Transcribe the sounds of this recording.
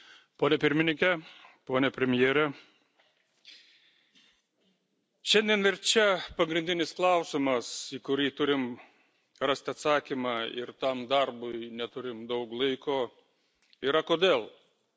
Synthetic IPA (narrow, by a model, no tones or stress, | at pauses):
poːnʲɛpʲɪɾʲmʲɪnʲɪŋʲkʲɛpoːnʲɛpʲɾʲɛmʲɪjeːɾʲɛ | ʃʲɛnʲd̪ʲiɛnɪɾt͡ʃʲɛpɐɡɾʲɪnʲd̪ʲɪnʲɪsklˠɑˑʊsʲɪmɐsiːkʊɾʲiːt̪ʊɾʲɪm | ɾɑst̪ʲɐt̪sɑːkʲimɑːɪ̰ɾt̪ɐmd̪ɐɾbʊɪnʲɛt̪ʊɾʲɪmd̪ɐʊklˠɐɪkoː | iːɾɐkoːd̪ʲeːlˠ